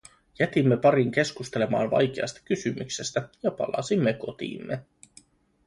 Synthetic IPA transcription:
jæt̪imːe̞pɑɾiŋk̟e̞skust̪e̞le̞mɑ̰ːnʋɑ̰jk̟e̞ɑ̰st̪ɑ̥kysymykse̞st̪æjɑpɑ̰lɑ̰simːeko̞t̪ḭːmːe

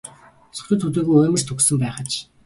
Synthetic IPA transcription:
sɵ̥xʲɵ̆t̪ʰut̪̬iːɣujɵːmɘ̆r̥t̪ʰuksɵ̆mpæːχə̆t͡ɕ

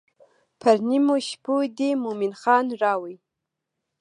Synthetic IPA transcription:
pʰaɾnimoʃpʰud̪emuminχɑːnrɑwij

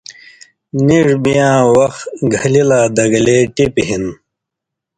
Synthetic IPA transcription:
niʐbijãːwɐxɡʱɐlilaːd̪ɐɡleːʈipɦin

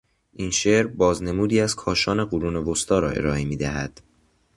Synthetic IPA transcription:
ʔiːnʃeːɾbɒːzne̞muːd̪iːæz̥kʰɒːʃɒːne̞ɢoɾuːne̞vost̪ɒːɾɒːʔe̞̰ɾɒːemiːd̪æɦæ̰d̪̥

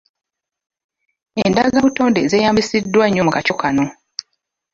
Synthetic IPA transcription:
endazaβuto̞ːnde̞ze̞ːjaːmbisidːwaɲːo̞mukaco̞kano̞

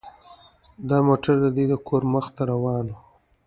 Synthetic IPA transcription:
d̪ɑmoʈaɾd̪əd̪wid̪əkʰoɾməxt̪aɾawɑːno

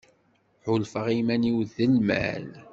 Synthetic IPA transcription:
ħʊlfəʁimæniwðəlmæ̰l

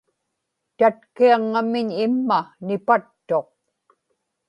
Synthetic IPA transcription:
t̪at̪kiaŋːamɪɲɪmːanɪpat̪ːo̞q̚

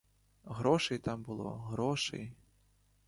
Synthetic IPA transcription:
ɣɾɔʃɛjt̪ɑmbʊlˠɔ̰ɦɾɔʃɛ̰j

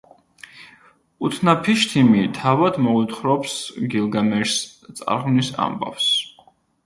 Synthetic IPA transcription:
ut̪ʰnapʰiʃt̪ʰimit̪ʰavad̪mɔut̪ʰχɾɔpsɡilˠɡamɛɾst̪sʼa̰ɾʁmnisa̰mba̰fs

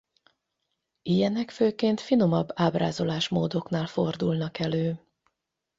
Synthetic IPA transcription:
ijɛnɛkføːkeːnt̪fino̞mɒbːaːbra̰ːzo̞laːʃmoːd̪o̞knaːlfo̞rd̪ulnɒkɛløː

